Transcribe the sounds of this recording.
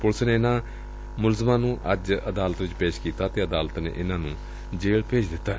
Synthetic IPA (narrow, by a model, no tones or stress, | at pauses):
pʊlsneːɪnãː | mʊlzəmãːnũːʔəd͡ʒəd̪aːlət̪ʋɪt͡ʃpeːʃkiːt̪aːt̪eːəd̪aːlt̪nḛːʔɪnãːnũː | d͡ʒeːɭpeːt͡ʃd̪ɪt̪ːaːɦ